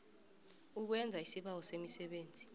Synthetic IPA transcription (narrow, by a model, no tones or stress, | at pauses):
uk̬wɛnd͡zʱaisiɓawɔsemisɛɓeːnd͡zʱi